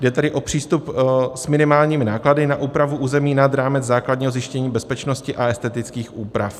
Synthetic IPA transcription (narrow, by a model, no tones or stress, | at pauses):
dɛt̪adɪʔo̞pr̝̥iːst̪upsmɪnɪmaːlɲiːmɪnaːkladɪnaʔuːpɾavuʔuːzɛmiːnad̪ɾaːmɛt͡sd͡zzaːklad̚ɲiːɦo̞zjɪʃcɛɲiːbɛspɛt͡ʃnoscɪʔaɛst̪ɛt̪ɪt͡skiːxʔuːpɾaf